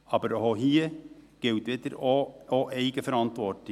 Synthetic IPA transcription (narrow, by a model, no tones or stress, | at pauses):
ɑbəɾhohiːəɡ̥eʉt̪ɛt̪əɾooʔeɪɡəfɔɾɑnt̪ʋɔʈɪ